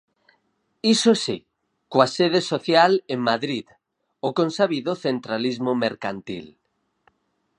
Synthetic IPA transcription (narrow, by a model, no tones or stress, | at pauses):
isosi | koaseð̞esoθjaleŋmaðɾið | okõnsaβiðoθent̪ɾalizmomeɾkant̪ḭl